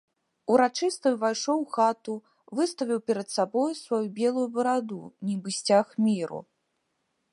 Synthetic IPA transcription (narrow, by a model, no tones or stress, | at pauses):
uɾat͡ʂɨst̪ɐjuvajʂɔwxat̪u | vɨst̪ɐvʲiwpʲɛɾɐt̪sabɔjusvajubʲɛlˠujubɐɾad̪ṵnʲibɨsʲt͡sʲaxmʲiɾṵ